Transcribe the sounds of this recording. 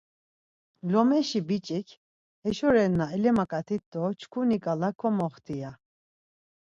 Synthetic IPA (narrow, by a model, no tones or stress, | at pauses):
lɔmɛʃibit͡ʃʼikʰ | ɛʃɔɾɛnːaɛlɛmakʼat̪ʰit̪ːɔt͡ʃʰkʰunikʼalakʰɔmɔχt̪ʰija